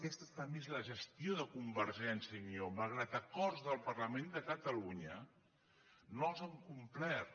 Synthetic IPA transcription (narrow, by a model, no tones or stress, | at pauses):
kɛst̪ət̪əmezləʒəst̪ioðəkumbəɾʒɛnsiənioməlˠɣ̞ɾat̪əkɔrzðəlˠpərləmend̪əkət̪əluɲə | nolzəŋkumplɛr